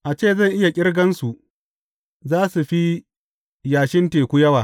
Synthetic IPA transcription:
ʔa˨t͡ʃeː˦˨zɐ˦˨ŋʔɪ˦ja˨kʲʼɪ˦ɽɡɐ˦nsu˨ʔ | zaː˦su˨ɸi˦ | jaː˨ʃɪ˦nteː˨kʷu˦jɐ˦waː˨

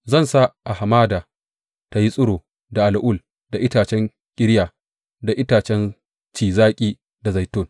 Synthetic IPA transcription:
zɐ˦˨nsa˦ʔa˨ha˨maː˦daː˨ | ta˨˦ji˦sʼʊ˦ɽoː˨ | da˨ʔa˨lʔʊ˦l | da˨ʔɪ˦taː˨t͡ʃɛ˦ŋ | kʲʼɪ˦ɽjaː˨ | da˨ʔɪ˦taː˨t͡ʃɛ˦n | t͡ʃiː˨zaː˦kʲʼiː˦ | da˨za˨jtʊ˦n

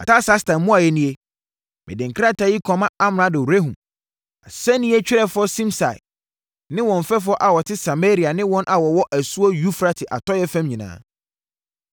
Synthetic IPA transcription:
a˨ta˦sa˦stã˨mmũ˦a˨jɛ˦nĩ˦e˦ | mɪ̰̃˨dɪ̃˨ŋkʰa˦tʰa˨ji˦kʰɔ̃˨mã˦a˦m˨nã˦dɪ˨u˨ɾe˦ɦũ˨m | a̰˨sɛ˦nĩ˦ɛ˦t͡ɕᶣɪ˦ɾɛ˦fʊ˦ɔ˦sĩ˦msa˨ɪ̰˨ | nɪ̃˦wɔ̃˨ɱ̩˨fɛ˦f̬ʊ˦ɔ˦ʔa˨wɔ˨tʰɪ˦sa˨me˦ɾi˨a˨nɪ̃˦wɔ̃˦nʔa˨wɔ˨wɔ˦ʔæ˨su˦o˦ju˦fɾa˦tʰɪ˨ʔa̰˨tʰɔ˦jɛ˦fæ̃˦mɲĩ˨nã̰ː˦

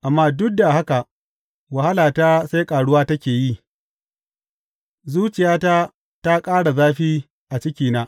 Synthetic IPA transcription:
ʔa˨mːaː˦dʊ˦k̚da˨ha˦ka˨ʔ | wɐ˨ha˦laː˨taː˦se˦jkʼaː˨ɽʊ˦waː˦tɐ˦kʲeː˨ji˦ | zuː˦t͡ʃɪ˨jaː˦ta˦ | ta˦kʼaː˦ɽa˨zaː˦ɸiː˦ | ʔa˨t͡ʃɪ˦kʲiː˨naː˦

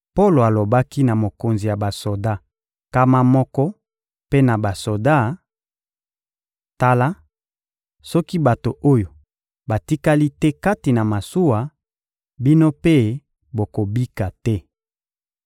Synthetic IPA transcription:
po˦lo˨a˨lo˨ba˦ki˦na˨mo˨ko˨nzi˨ja˨ba˨so˨da˦ | ka˦ma˦mɔ˦kɔ˦ | pe˦na˨ba˨so˨da˦˨ | ta˦la˦ | sɔ˦ki˦ba˨to˨ʔo˦jo˨ | ba˨ti˦ka˦li˦tɛ˦ka˦ti˨na˨ma˨su˦wa˨ | bi˦no˦pe˦ | bo˨ko˨bi˦ka˨tɛ˦

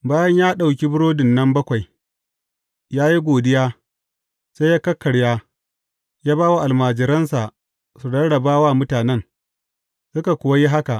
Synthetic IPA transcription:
baː˦jɐ˦ɲjaː˦ɗa˨wkʲi˦bʊ˦ɽoː˦dɪ˨nːɐ˦mbɐ˦kʷa˨j | jaː˦ji˦ɡʷoː˨dɪ˦jaː˦ | se˦jaː˦kɐ˦kːɐ˨ɽjaː˦ | jaː˦baː˦wa˦ʔa˨lmaː˨d͡ʒɪ˨ɾɐ˦nsa˨ʔ | su˨dɐ˦ɽɐ˨baː˦waː˦˨mʊ˦taː˨nɛ˦n | sʊ˦ka˨kʷʊ˦wa˦ji˦ɦa˦ka˨ʔ

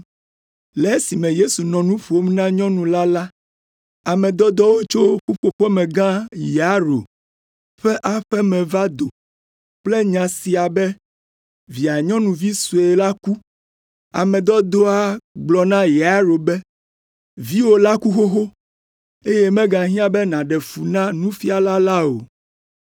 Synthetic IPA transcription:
lɛ˨˦si˨mɛ̃˨je˦su˨nɔ̃˨nũ˦ɸu˨o˦m˦nã˦ɲɔ̃˦nũ˨la˦la˦ | a˨mɛ̃˨d̪ɔ˦d̪ɔ˦wo˦t͡ʃo˦ɸu˦ɸo˨ɸɛ˦mɛ̃˨ɡã˦je˨a˦ɾo̰˨ | ɸɛ˦ʔa˨ɸɛ˦mɛ̃˨va˦d̪o˨ | k͡ple˦ɲã˨si˨a˨bɛ˦ | vi˨a˨ɲɔ̃˦nũ˨vi˦su˨e˨la˦ku˦ | a˨mɛ̃˨d̪ɔ˦d̪o˦a˦ɡ͡blɔ˨nã˦jɛ˨a˦ɾo˨bɛ˦ | vi˦wo˦la˦ku˦xo˦xo˦ | e˦je˦mɛ̃˦ɡã˨ɦĩ˦ã˦bɛ˦nã˨ɖɛ˨fu˨nã˦nũ˦fi˦a˨la˦la˦o̰˨

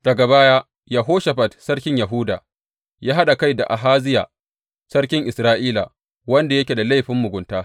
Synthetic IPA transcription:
d̥ɐ˨ɡa˨baː˦jaː˦ | ja˨ɦoː˦ʃa˨ɸɐ˨tsɐ˦ɽkʲɪ˦ɲjɐ˨ɦʊː˦da̰ː˨ | jaː˦ɦa˦ɗa˨ka˦˨jda̰˨ʔa˨ɦaː˦zɪ˦ja̰˨ | sɐ˦ɽkʲɪ˦ŋʔɪ˨sɾaː˦ʔiː˦la̰˨ | wɐ˦nda˨jɐ˦kʲe˨da˨la˦jɸɪ˦mːʊ˨ɡʷʊ˨ntaː˦

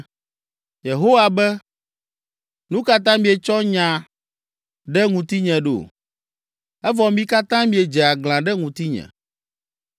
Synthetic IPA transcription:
je˨ɦo˦wa˨bɛ˦ | nũ˦ka˦t̪ã˦mĩ˦e˨t͡ʃɔ˦ɲã˨ | ɖɛ˦ŋũ˨t̪i˦ɲɛ̃˨ɖo̰˨ | ɛ˦vɔ˨mĩ˦ka˦t̪ã˦mĩ˦e˨d͡ʒɛ˨a˨ɡlã˨ɖɛ˦ŋũ˨t̪i˦ɲɛ̰̃˨

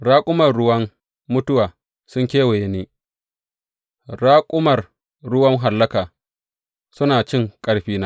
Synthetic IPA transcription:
ɽaː˦kʷʼʊ˦mɐ˨rɽʊ˦wɐ˦ŋ | mʊ˦tʊ˦waː˨ | sʊ˦ŋkʲeː˦we˨je˦niː˦ | ɽaː˦kʷʼʊ˦mɐ˨r | ɽʊ˦wɐ˦ŋɦa˨lːɐ˦kaː˨ | sʊ˦naː˨t͡ʃɪ˦˨ŋkʼɐ˦ɽɸiː˦naː˦

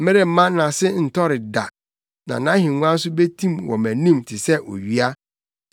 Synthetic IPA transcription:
m˦mɪ̃˦ɾɪ˨m̩˦mã˦nã˨sɪ˦n̩˨tʰɔ˦ɾɪ˨da˨ | nã̰˨nã˦ɦɪ̃˨ŋũ˦ã˦n̩˦s̬ʊ˦be˦tʰĩ˦mwɔ̰̃˨mæ̃˨nĩ˦mtʰɪ˨sɛ˦ʔo̰˨ɥi˦a˦

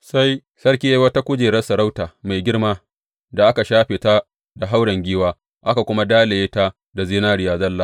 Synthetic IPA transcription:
sa˦j | sɐ˦rkʲi˦ja˦wɐ˦ta˦kʷʊ˦d͡ʒeː˨ɾɐ˦sɐ˨ɾa˦wtaː˨ma˨jɡʲɪ˦ɽmaː˦ | da˨ʔa˦ka˨ʃaː˦ɸeː˨ta˦ | da˨ɦa˦wɽɐ˨ŋɡʲiː˦waː˦ | ʔa˦ka˨kʷʊ˦ma˦daː˦le˨jeː˦ta˦ | da˨ziː˦naː˦ɾɪ˨jaː˨zɐ˦lːa˦˨

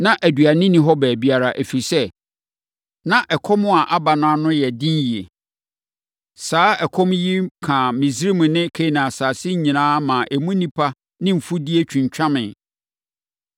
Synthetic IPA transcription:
nã˦ʔæ˨dɥa˨nɪ̃˦nĩ˦ɦɔ˦bæː˨bi˨˦a˨ɾa˨ʔæ˨fi˨sɛ˦ | nã˨ʔɛ˨kʰɔ˦mʊ̃˦a˨ʔa˦ba˨nʊ̃˦a˦nʊ̃˦jɛ˨dɪ̃˦nji˨e˨ | saː˦ɛ˨kʰɔ̃˦mji˦kʰã˨mɪ̃˨si˦ɾi˦mʊ̃˨nɪ̃˦kʰe˦nã˨saː˨sɪ˦ɲ̩˦ɲĩ˨nãː˦mã˨ʔe˨mũ˦nĩ˦pʰa˦ | nɪ̃˦m̩˨fu˦di˦e˦t͡ɕᶣʰũ˨ɲ˨t͡ɕᶣã˦mɪ̃˨n

